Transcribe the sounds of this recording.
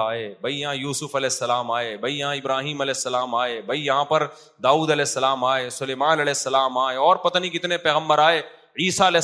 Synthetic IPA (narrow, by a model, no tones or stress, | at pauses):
aːeːbʱɐijɐɦãjuːsʊfɐlɛːsːɐlaːmaːebʱɐijɐɦãɪbɾaːɦiːmɐlɛːsːɐlaːmaːeːbʱɐijɐɦãpɐɾ | d̪aːuːd̪ɐlɛːsːɐlaːmaːeːsʊleːmaːnɐlɛːsːɐlaːmaːeɔːɾpɐt̪anĩkɪt̪nepɛːɣə̃mbəɾaːeː | iːsaɐlɛː